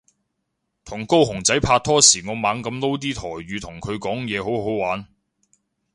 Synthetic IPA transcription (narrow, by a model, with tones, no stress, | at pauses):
t̪ʰʊ˨˩ŋko˥wɦʊ˨˩ŋt͡sɐ˨˥jpʰaː˧t̚t̪ʰːɔː˥siː˨˩ŋɔː˨˧maː˨˧ŋkɐ˧mlo˥wt̪̬iː˥t̪ʰɔː˨˩jɥyː˨˧t̪ʰʊ˨˩ŋkʰɵ˨˧ɥkɔː˨˥ŋjɛː˨˧ɦo˨˥wɦo˨˥wwaː˨˥n